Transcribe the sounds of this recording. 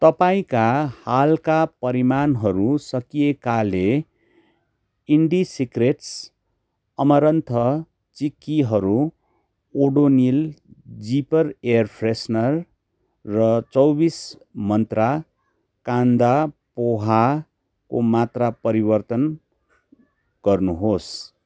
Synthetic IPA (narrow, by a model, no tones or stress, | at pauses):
t̪ʌpaĩkahalkapʌɾimanɦʌɾusʌkijekale | iɳɖisikreʈs | ʌmʌɾʌnt̪ʰʌ | t͡sikːiɦʌɾu | oɖonild͡zipʌreʌrpʰresnʌrː | ʌt͡sʌwbis | mʌnt̪ra | kand̪apoɦa | komat̪rapʌɾibʌrt̪ʌn | ɡ̥ʌrnuɦos